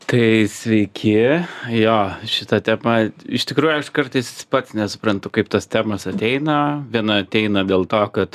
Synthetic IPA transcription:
t̪ɐɪsʲʋʲɛɪkʲʰɪjoːʃʲɪt̪ɐt̪ʲɛmɐɪʃt̪ʲɪkɾuːjʊɐʃkɐɾt̪ɐɪspɐt̪snʲɛsʊ̥pɾɐnt̪ʊkɐɪpt̪ɐst̪ʲæːmɐsɐt̪ʲɛɪnɐʋʲiɛnɐɐt̪ʲɛɪnɐd̪ʲeːlˠt̪oːkɐt̪

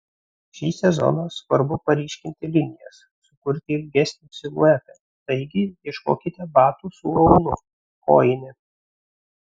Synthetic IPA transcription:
ʃʲiːsʲɛzɔ̰nɐsʋɐɾbʊpɐɾʲiːʃʲkʲɪnʲt̪ʲɪlʲɪnʲɪjɛs | sʊkʊɾʲt̪ʲɪɪlʲɡʲɛsʲnʲɪsʲɪlˠṵɛpʲɛ | t̪ɐɪɡʲɪjʲiɛʃko̰ːkʲɪt̪ʲɛbɑːt̪uːsuɒʊnʊ | ko̰ːjɪnʲɪ

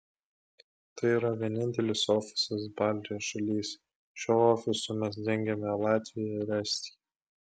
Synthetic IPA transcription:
t̪ɐɪiːɾɐʋʲiɛnʲɪnʲt̪ʲɛlʲɪsoːfʲɪ̥sɐs̬bɑˑlʲd̪ʲɪjoːsʃɐlʲiːs | ʃʲoːoːfʲɪsʊmʲɛsd̪ʲɛŋʲɡʲɛmʲɛlˠɑːt̪ʲʋʲɪjɛɾʲɛsʲt̪ʲi̥

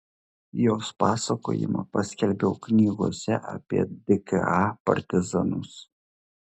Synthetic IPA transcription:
joːspɑːsɐko̰ːjɪ̰mɐ̰pɐsʲkʲɛlʲbʲɛʊknʲiːɡoɔsʲɛʔɐ̰pʲiɛd̪ʲɪkɨ̰ɑpɐ̰ɾʲt̪ʲɪzɐnʊs

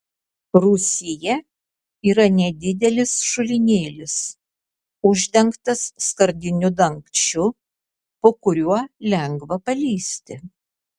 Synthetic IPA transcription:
ɾʊsʲɪjɛ | iːɾɐnʲɛd̪ʲɪd̪ʲɛlʲɪsʃʊlʲɪnʲeːlʲɪs | ʊʒʲd̪ʲɛŋkt̪ɐsːkɐɾʲd̪ʲɪnʲʊd̪ɐŋkt͡ʃʲʊ | poːkʊɾʲuɔlʲɛŋɡʋɐpɐlʲiːsʲt̪ʲɪ

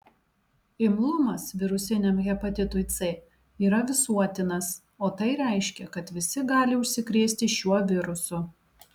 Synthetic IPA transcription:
ɪmlˠʊmɐsʋʲɪɾʊsʲɪnʲɛmɣʲɛpɐt̪ʲɪt̪ʊɪt̪sʲɛ | iːɾɐʋʲɪsuɔt̪ʲɪnɐs | oːt̪ɐɪɾʲɛˑɪʃʲkʲɛkɐt̪ʋʲɪsʲɪɡɑːlʲɪʊʃʲsʲɪkɾʲeːsʲt̪ʲɪʃʲuɔʋʲɪɾʊsʊ

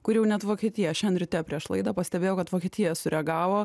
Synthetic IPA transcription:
kʊɾjɛʊnʲɛt̪ʋoːkʲɛt̪ʲiːjɛʃʲɛnɾʲʊt̪ʲeːjoːpʲɾʲiɛʃlˠɐ̰ɪd̪ɐpɐsʲt̪ʲɛbʲeːjoʊkɐt̪ʋoːkʲiɛt̪ʲijjɛsʊɾʲɛɡɑːʋoː

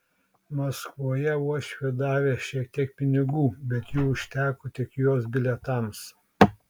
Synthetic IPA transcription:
mɐskʋuɔjɛuɔʃʲʋʲiɛd̪ɑːʋʲeːʃʲiɛk̚t̪ʲiɛk̚pʲɪnʲɪɡuːbʲɛt̪juːʊʃʲt̪ʲæːkʊt̪ʲɪkjoːsbʲɪlʲɛt̪ɑˑms

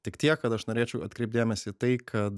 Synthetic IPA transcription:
t̪ʲɪkt̪ʲiɛkːɐt̪ɐʃnoːɾʲeːt͡ʃʲɛʊɐt̪kɾʲɛɪp̚t̪d̪ʲeːmʲɛsʲɪt̪ɐɪkʰɐt̪

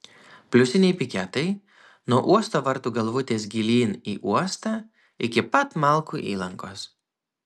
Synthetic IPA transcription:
pʲlʲʊsʲɪnʲɛɪpʲɪkʲɛt̪ɐɪ | nuɔʔuɔst̪oːʋɐɾt̪uːɡɐlˠʋʊt̪ʲeːsɡʲɪlʲiːniːʔuɔst̪ɑː | ɪkʲɪpɐt̪mɐˑlˠkuːʔḭːlˠɐŋkoːs

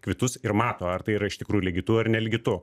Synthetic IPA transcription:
kʋʲɪt̪ʊsɪrmɑːt̪oːɐrt̪ɐɪiːɾɐɪʃt̪ʲɪkɾuːjulʲɛɡʲɪt̪ʊɐrnʲɛlʲɪɡʲɪt̪ʊ

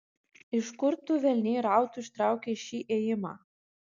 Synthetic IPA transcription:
i̥skʊɾt̪ʏvɛlnɪɾaːwt̪ʏ̥st̪ɾaːwcɪʃiʔejɪma̰

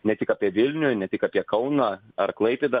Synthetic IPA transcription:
nʲɛt̪ʲɪkaːpʲiɛʋʲɪlʲnʲʊnʲɛt̪ʲɪkaːpʲiɛkɐʊnɑː | ɐ̰ɾklˠɐɪpʲeːd̪ɐ

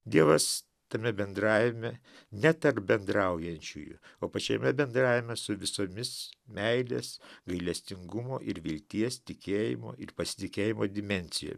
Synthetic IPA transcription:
d̪ʲiɛʋɐs | t̪ɐmʲɛbʲɛnd̪ɾɑːʋʲɪmʲɛ | nʲɛt̪ɐrp̚bʲɛnd̪ɾɐʊjɛnʲt͡ʃʲṵːjʊ̰oːpɐt͡ʃʲomʲɛbʲɛnd̪ɾɑːʋʲɪmʲɛsʊʋʲɪsoːmʲɪsmʲɛɪlʲeːsɡɐɪlʲɛsʲt̪ʲɪŋɡʊmo̰ːʔɪɾʋʲɪlʲt̪ʲiɛst̪ʲɪkʲeːjɪ̰mo̰ːɪrpɐsʲɪ̥t̪ʲɪkʲeːjɪmoːd̪ʲɪmʲɛnʲsʲɪjo̰ːm

